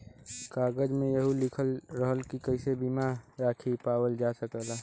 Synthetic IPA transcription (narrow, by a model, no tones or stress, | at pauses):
kaɡəd͡ʒmẽjəɦulɪkʰəlɾəɦəlkikəɪsebimaɾaːkʰipaːwəld͡ʒasəkəla